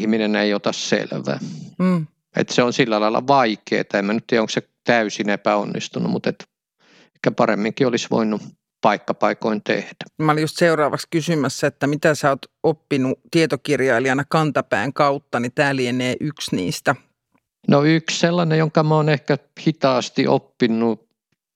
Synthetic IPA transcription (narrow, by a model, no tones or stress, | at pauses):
hmineneiot̪ɑssḛlʋæ̰ː | ḛt̪seonsilːælɑĭlɑ̰ʋɑikḛːt̪ɑemːænyt̪t̪iæoŋkse | t̪æysinepæo̰nːḭst̪unṵmut̪et̪ | ehkæpɑremːiŋkiolisʋo̰inːu | pɑikːɑpɑikoint̪ḛhd̥æ̥mæolijust̪seurɑːʋɑkskysymæsːæet̪ːæmit̪æsæot̪opːinut̪iet̪okirjɑiliɑnɑkɑnt̪ɑpæ̰ːŋkɑut̪ːɑnit̪æːlieneːʔyksnḭːst̪æ | noyksselːɑnejoŋkɑmoːnehkæ | hit̪ɑːst̪iʔo̰pːinːu